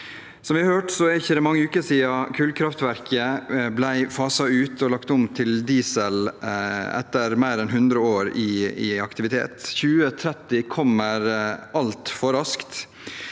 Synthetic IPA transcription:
sɔmʋɪhɑɾhøːʈsɔɛɾɪçːəd̪ɛmɑŋːəʉːkəsiːɑkʰʉːlkʰɾɑft̪ʋæɾkʰəblæɪfɑːsɑʉːt̪ɔlɑkt̪ʊmt̪ʰɪld̪iːsəl | ɛ̰t̪ːəɾmæɪɾɛnɦʉnd̪ɾəoːɾɪɪɑkt̪ɪʋɪt̪ʰḛːt̪çʉːət̪ʰɾɛt̪ɪkʰɔmːəɾʔɑlt̪fɔɾɑskt̪

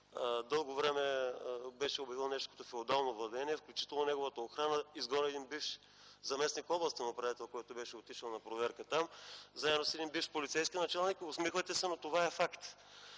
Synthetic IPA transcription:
d̪ɤlˠɡovɾɛmɛbɛʃɛobʲjɐvilˠnɛʃt̪o̥kət̪ofɛod̪alˠnovlˠɐd̪ɛniɛfklʲut͡ʃit̪ɛlˠnonɛɡʊvət̪əoxɾanəizɡɔnɛd̪inbifʃ | zɐmɛsnikfɔblˠɐst̪inɐpɾɐit̪ɛlˠkojɛt̪obɛʃɛot̪iʃəlˠnɐpɾovɛɾkət̪amzaɛnosɛd̪inbifʃpolit̪sɛjskʲinɐt͡ʃalˠnikʊsmixvət̪ɛsɛnot̪ovaɛfakt̪

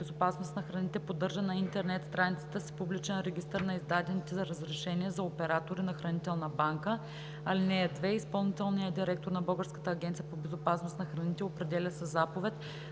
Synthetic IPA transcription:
bɛzopasnost̪nɐxɾɐnit̪ɛpod̪ːɤɾʒənɐint̪ɛɾnɛt̪st̪ɾanit̪sə̥t̪əsi̥publit͡ʃɛnɾɛɡʲist̪əɾnɐizd̪ad̪ɛnit̪ɛzɐɾəzɾɛʃɛniɛzɐopɛɾat̪oɾinɐxɾɐnit̪ɛlˠnəbaŋkə | ɐlinɛɛd̪vɛispɐlˠnit̪ɛlˠnijəd̪iɾɛk̚t̪oɾnɐbəlˠɡəɾskə̥t̪əːɡʲɛnt̪sijəpobɛzopasnost̪nɐxɾɐnit̪ɛopɾɛd̪ɛlʲəsɛzapovɛt̪

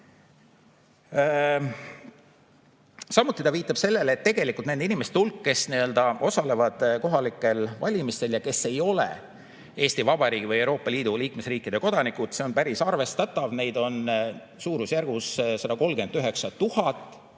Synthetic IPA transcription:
sɑmut̪ːˑit̪ɑviːt̪ːˑɑb̥se̞lːe̞let̪ːe̞ɡ̥e̞likult̪ned̪inime̞st̪eulkːe̞sniø̞ld̪ɑʔo̞sɑle̞vɑd̪̥ko̞ɦɑlikːˑe̞lvɑlʲimist̪e̞ljɑke̞se̞jo̞lḛ | eːst̪ivɑbɑɾiːɡ̥ivɤjewɾo̞ːpːˑɑlʲiːd̪uliːkme̞sriːkːˑid̪e̞ko̞d̪̥ɑnikud̪̥seo̞npæɾisɑrve̞st̪ɑt̪ːˑɑvne̞jd̪̥o̞n | suːɾusjærɡ̥ussɑd̪ɑko̞lɡe̞nd̪yɦe̞ksɑt̪uhɑt̪ːˑ

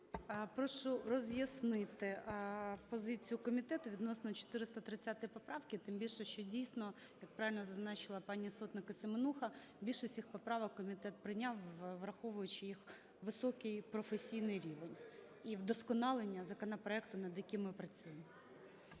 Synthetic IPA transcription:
pɾɔʃʊrɔzʲjɐsnɪt̪ɪ | pɔzɪt͡sʲijʊkɔmʲit̪ɛt̪ʊʋʲid̪nɔsnɔt͡ʃɔ̥t̪ɪɾɪst̪ɐt̪ɾɪt͡sʲːat̪ɪpɔpɾɑwkʲɪt̪ɪmbʲilʲʃɛʃt͡ʃɔdʲijsnɔ | jɐk̚pɾɑʋʲɪlʲnɔzɐznɑt͡ʃɪlˠɐpɑnʲisɔt̪nɪkɐsɪmenuxɐ | bʲilʲʃɪsʲixpɔpɾɑʋɔkːɔmʲit̪ɛt̪̚pɾɪjnʲɑwʋɾɐxɔʋʊjʊt͡ʃɪjix | ʋɪsɔkɪjpɾɔfesʲijnɪjɾʲiʋenʲ | iwd̪ɔskɔnɑlˠenʲːɐzɐkɔnɐpɾɔɛkt̪ʊnɐd̪jɐkɪmːɪpɾɐt͡sʲujemɔ

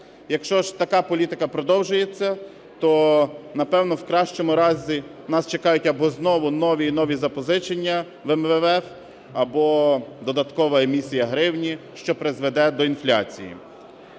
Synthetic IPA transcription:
jɐkʃt͡ʃɔʒt̪ɐkɑpɔlʲit̪ɪkɐpɾɔd̪ɔwʒʊjet͡sʲːɐ | t̪ɔnɐpɛwnɔwkɾɑʃt͡ʃɔmʊɾɑzʲi | nɑst͡ʃekɑjʊtʲɐbɔznɔʋʊnɔʋʲiːnɔʋʲizɐpɔzɪt͡ʃenʲːɐ | ʋɛmʋɛʋɛf | ɐbɔd̪ɔd̪ɐt̪kɔʋɐemʲisʲijɐɦɾɪwnʲiʃt͡ʃɔpɾezʋed̪ɛd̪ɔinflʲa̰t͡sʲḭjḭ

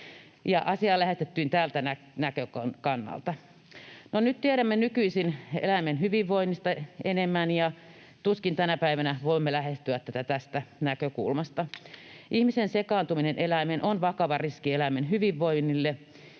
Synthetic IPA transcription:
jɑ̰ʔɑsiɑːlæhest̪et̪ːyːnt̪æːlt̪ænæ | nækøkɑnkɑnːɑ̰lt̪ɑ | nonyt̪t̪iæɾæmːenykyisinḛlæmenhyʋiʋːoinːist̪ɑenemːænjɑ | t̪uskint̪ænæpæiʋænæʋoimːelæhest̪yæt̪ːæt̪æt̪æst̪ænækøkṵlmɑst̪ɑʔihmisensekɑːnt̪uminenʔelæmenʔonʋɑkɑʋɑriskielæmenhyʋiʋːoinːilːe

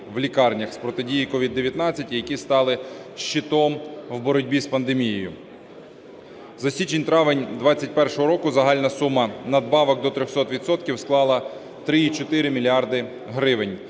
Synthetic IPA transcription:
wlʲikɑrnʲɐxspɾɔt̪ɪdʲijikɔʋʲid̪ːeʋʲjɐt̪nɑt͡sʲːɐtʲijɐkʲist̪ɑlˠɪʃːit̪ɔmwbɔɾɔdʲbʲispɐnd̪emʲijejʊ | zɐsʲit͡ʃenʲt̪ɾɑʋɪnʲd̪ʋɑt͡sʲɐt̚ʲpɛrʃɔɦɔɾɔkʊzɐɦɑlʲnɐsumɐnɐd̪bɑʋɐɡd̪ɔt̪ɾʲɔxsɔt̪ʋʲid̪sɔt̪kʲiwsklˠɑlˠɐ | t̪ɾɪit͡ʃɔt̪ɪɾɪmʲilʲiɑrd̪ɪ | ɦɾɪʋɪnʲ

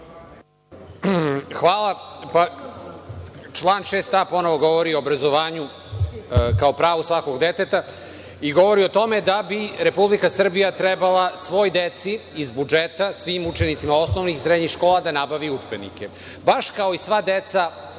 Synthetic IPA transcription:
xʋaːlˠapa | t͡ʃlˠaːnʃeːst̪apo̞no̞ʋo̞ɡo̞ʋoɾioːbɾazo̞ʋaːɲu | kaopɾaːʋusʋako̞ɡd̪et̪et̪a | iɡoʋo̞ɾio̞t̪o̞me̞d̪abiɾe̞publikasr̩bijat̪ɾebalˠasʋo̞jd̪et̪siːzbud͡ʒet̪asʋiːmut͡ʃenit̪simao̞snoʋnixisɾed̪ɲixʃko̞ːlad̪anabaʋiud͡ʒbenḭke | baʃkao̞isʋad̪et̪sa

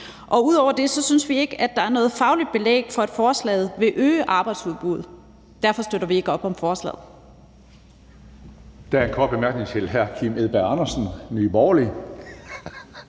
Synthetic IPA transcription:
ʔɒ̽uð̞̰ˠɒʊ̰ɐd̥e̝sɒ̽synsʋie̝ɡ̥əæd̥ɑ̈æɐnɔ̽ːð̩ˠfɑ̈ʊlid̥̚b̥e̝lḛːɡ̥fɒ̽e̝d̥fɒːslɛ̰ːð̩ˠʋe̝ʔøːəʔɑ̈ːb̥ɑ̈ɪd̥suðˠb̥uð̞̰ˠ | d̥æɐ̰fɒ̽sd̥øɾɐʋie̝ɡ̥əɒ̽b̥ɒ̽mfɒːslɛ̰ːðˠ | d̥ææɐe̝nkʰɒːd̥̚b̥e̝mæɐɡ̥ne̝ŋt͡sʰe̝lɦæɐkʰimeðˠb̥æɐɑ̈nɐsn̩nyːbɒːli

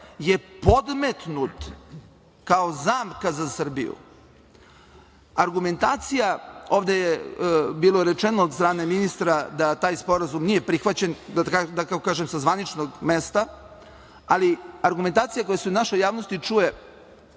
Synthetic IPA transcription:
jepo̞d̪met̪nut̪ | kaozaːmkazasər̩bḭjṵ | aɾɡume̞nt̪aːt̪sijao̞ːʋd̪ejebiːlo̞ɾet͡ʃenoːd̪st̪ɾaːne̞minist̪ɾad̪at̪aːjspo̞ɾazumnije̞pɾixʋat͡ɕend̪akad̪akakokaːʒemsazʋanit͡ʃnoɡmest̪a | aliaɾɡume̞nt̪aːt̪sijako̞jasɛunaʃojːaːʋnost̪it͡ʂuje̞

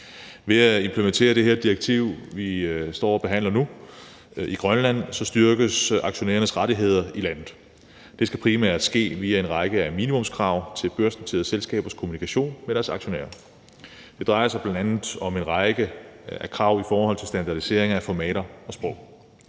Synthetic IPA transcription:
ʋe̝æe̝mpʰlement͡sʰe̝̰ːɐɾ̥e̝ɦeɐd̥iʁeɡ̥̚t͡sʰiʊ̰ʋisd̥ɒ̰ːɒ̽b̥e̝ɦæn̰lɐnu | iɡ̥ʁɶnlæn̰sɒ̽sd̥yɐɡ̥əsɑ̈ɡ̥ɕo̝nḛːɐnəsʁɑ̈ɾ̥iɦe̝ð̞̰ˠɐilæn̰ð̩ˠ | d̥e̝sɡ̥æpʰʁimæɐ̰d̥sɡ̥e̝̰ːʋiːæe̝nʁɑ̈ɪɡ̥əæmḭːnimɔ̽mskʰʁɑ̈ʊ̰t͡sʰe̝lb̥øɐsn̩t͡sʰḭːðˠselsɡ̥ɛ̰ːb̥ɐskʰo̝munikʰæɕo̝̰ːnmeɾ̥æɐsɑ̈ɡ̥ɕo̝nḛːɐ | d̥e̝d̥ʁɑ̈ɪɐsɑɪb̥lændænð̩ˠɒ̽menʁɑ̈ɪɡ̥əækʰʁɑ̈ʊ̰ifɒːhɒ̽l̰t͡sʰe̝lsd̥ænd̥ɑ̈d̥ise̝ɐ̰e̝ŋæfɒmɛ̰ːɾɐɒ̽sb̥ʁɔʊ̰

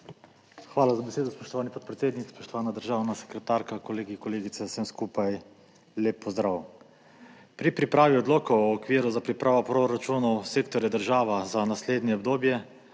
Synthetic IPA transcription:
xʋaːlazabɛseːd̪ɔspɔʃt̪ɔʋaːnipɔt̪̚pɾɛt̪seːd̪nikspɔʃt̪ɔʋaːnad̪əɾʒaːwnasɛ̥kɾɛt̪aɾkakɔleːɡikɔleːɡit̪sɛsəmskuːpaj | leːpːɔzd̪ɾaw | pɾipɾipɾaːʋiɔd̪loːkɔwɔːkʋiːɾuzapɾipɾʔaːʋɔpɾoɾat͡ʃuːnɔwseːkt̪ɔɾjad̪əɾʒaːʋazanasleːd̪nʲjɛɔb̚d̪oːbjɛ

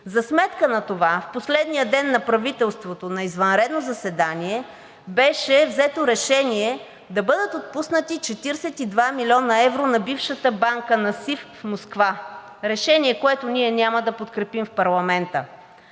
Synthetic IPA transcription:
zɐsmɛt̪kənɐt̪ovafposlɛd̪nijəd̪ɛnːɐpɾɐvit̪ɛlˠst̪vot̪onɐizvɐnɾɛd̪nozɐsɛd̪aniɛ | bɛʃɛvzɛt̪oɾɛʃɛniɛ | d̪ɐbɤd̪ət̪ot̪̚pusnət̪it͡ʃɛt̪iɾsɛt̪id̪vamilʲɔnəɛvɾonɐbifʃət̪əbaŋkənɐsiffmoskva | ɾɛʃɛniɛkoɛt̪ʊniɛnʲaməd̪ɐpot̪kɾɛpimfpɐɾlˠɐmɛnt̪ə

